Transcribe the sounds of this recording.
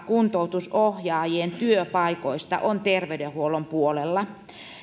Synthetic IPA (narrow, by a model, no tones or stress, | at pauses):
kunt̪out̪usohjɑːjieeːnt̪yøpɑikoist̪ɑ̰ʔont̪erʋeydehuolompuolelːɑ